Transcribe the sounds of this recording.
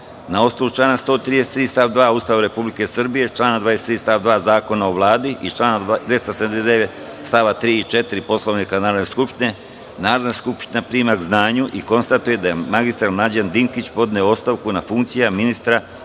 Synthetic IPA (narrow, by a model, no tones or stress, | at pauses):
nao̞st̪alut͡ʃlaːnast̪o̞ːt̪ɾid̪eset̪ːɾiːst̪aʋd̪ʋaːuːst̪aʋaɾe̞publike̞sr̩bije̞t͡ʃlˠaːnad̪ʋaːeset̪ɾiːst̪aːʋd̪ʋaːzaːko̞naoʋlˠaːd̪iʔit͡ʃlaːnad̪ʋe̞st̪aseamd̪ezd̪eet̪ | st̪aʋat̪ɾiːit͡ʃe̞t̪iɾipo̞slo̞ʋnikanaːɾod̪neskupʃt̪ine̞ | naːɾod̪naskupʃt̪inapɾiːmaɡznaːɲuʔiko̞nst̪at̪uje̞d̪ajemaɡist̪ɾalmlˠad͡ʑand̪iŋkit͡ɕpo̞d̪neoo̞st̪aʋkunafuŋkt̪sijaminist̪ɾa